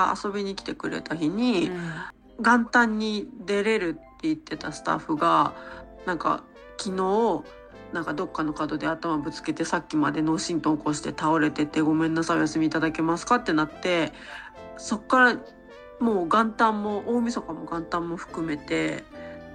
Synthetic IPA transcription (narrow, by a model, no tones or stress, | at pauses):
aa̰so̞bʲiɲ̟ikʲi̥t̪e̞kɯ̟ɾe̞̰t̪açiɲ̟i | ɡãnt̪ãɲ̟ːid̪e̞ɾe̞ɾɯ̟t̪ːe̞it̪ːe̞t̪asɨ̥t̪a̰ɸɯɡanãŋka̰ | kʲino̞ː | nãŋkad̪o̞kːano̞kad̪o̞d̪e̞at̪amabɯ̟t͡sɨ̥ke̞t̪e̞sakʲːimad̪e̞no̞ːɕĩnt̪oko̞ɕi̥t̪e̞t̪ao̞ɾe̞t̪e̞t̪ːe̞ɡo̞mẽ̞nːasaojasɨmʲiːt̪ad̪ake̞masɨ̥kat̪ːe̞nat̪ːe̞ | so̞kːaɾa | mo̞ːɡãnt̪ãmːo̞ʔoːmʲiso̞kamo̞ɡãnt̪ãmːo̞ɸɯ̥kɯ̟me̞t̪e̞